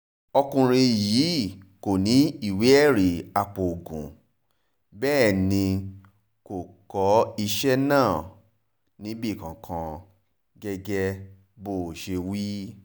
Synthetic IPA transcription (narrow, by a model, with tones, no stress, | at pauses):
ɔ˧kũ˧ɾ̃ĩ˧jiː˨˦ko˨nĩ˨˦i˦˨we˨˦ɛ˦˨ɾi˨a˧k͡po˨o˨ɡṵ̃˨ | bɛː˦˨nĩ˧ | ko˨kɔ˨˦i˧ʃɛ˦nãː˦˨ | nĩ˨˦bi˦˨kã˨kʰã˧ | ɡɛ˧ɡɛ˧ | bo˦˨ʃe˧wi˦